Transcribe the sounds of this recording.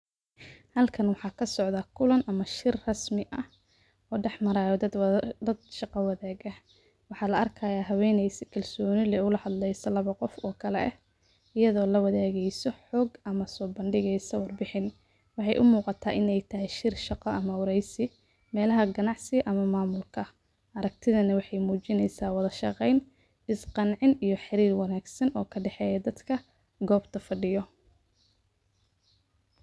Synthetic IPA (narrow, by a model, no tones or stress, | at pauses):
hɐlkʰɐnwɑħɑːkʰɐsɔʕðɐkʰʊlɐnʔɐmɐʃɪrrɐsmɪʔɐh | ʔɔːɖɛħmɐɾaːjɔd̪ɐd̪̚ʃɑqɑwɑðɛːɣɐ | wɑħɑːlɐɐrkʰaːjaːɦɐwɛːnɛjsɪkʰɐlsɔːnɪlɛʊlɐhɐd̪lɛjsɐlɐβɐqɔfɔːkʰɐlɛ̰ʔɛ | ɪjɐðɔːlɐwɑðɛːɣɛjsɔħɔːɡɐmɐsɔːbɐnɖɪɣɛjsɐwɑrbɪħɪn | wɑħɑjʔʊmuːqɑt̪ʰaːʔɪnɛjt̪ʰɐɦɛjʃɪrʃɑqɔʔɐmɐwɾɛjsɪ | mɛːlɐɦɐɡɐnɑʕsɪʔɐmɐmaːmʊlkʰɐ | ʔɐɾɐk̚t̪ʰɪðɐnɐwɑħɑjmuːt͡ʃɪnɛjsaːwɑðɐʃɑqɛjn | ɪsqɑnʕɪnijɞħɪɾiːrwɑnaːɡsɐnʔɔːkʰɐɖɛħɛːjɐd̪ɐd̪kʰɐ | ɡɔːbt̪ʰɐfɐɖɪjɔ